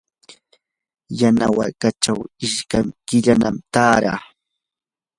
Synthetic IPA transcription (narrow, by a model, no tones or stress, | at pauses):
janawaɾkat͡ʃawɪʃkamkɪʎanamt̪aːɾa̰ː